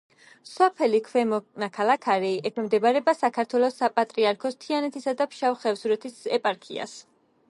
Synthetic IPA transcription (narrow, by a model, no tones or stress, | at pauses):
sɔpʰɛlikʰwɛmɔnakʰalakʰaɾiʔɛkʰɛmd̪ɛbaɾɛbasakʰaɾt̪ʰwɛlˠɔsapʼat̪ʼɾiaɾkʰɔst̪ʰianɛt̪ʰisad̪apʰʃawχɛvsuɾɛt̪ʰisɛpʼaɾkʰḭa̰s